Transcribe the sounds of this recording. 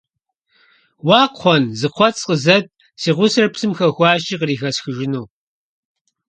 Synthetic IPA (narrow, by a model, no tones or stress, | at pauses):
wɑːqʰʷɔnzɨqʷʰɔtsʼqəzɐt̚ʼ | siːʁʷʊsrɐpsɨmxɐxʷɑːʃiːqəriːxɐsxɨʒɪnuː